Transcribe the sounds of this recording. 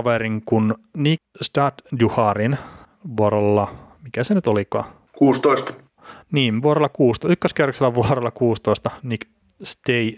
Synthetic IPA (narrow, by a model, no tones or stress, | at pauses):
ɑʋeɾiŋkunnikst̪ɑt̪duhɑrin | ʋuoɾolːɑmikæsenyt̪olikɑ̰ː | kuːst̪oist̪ | niːnʋuoɾelːɑkuːst̪ykːøskærokselːæʋuorelːɑkuːst̪oist̪ɑnik | st̪ei